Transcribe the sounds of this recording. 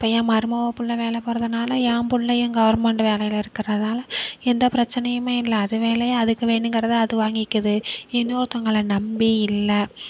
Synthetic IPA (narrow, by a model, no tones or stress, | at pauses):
ɪpːɐjãːmɐɾɯmɐʋɐpːɯlːɐʋeːlɐpoːɾɐðɯnaːlɐjaːmbʊɭːɐjɯŋɡɐʋɐɾmɛɳɖʋeːlɐjɪlɪɾɯkːɪrɐðaːlɐɛnd̪ɐpɪɾɐt͡ʃːɐnɐjɯmeːɪlːɐːðɯʋeːlɐjaɐðɯkːɯʋeːɳɖɯŋɡɪɾɐðɯɐðɯʋaːŋɡɪkːɐðɯɛnːoːɾɯt̪ːɐŋɡɐɭɐnɐmbiɪlːɐ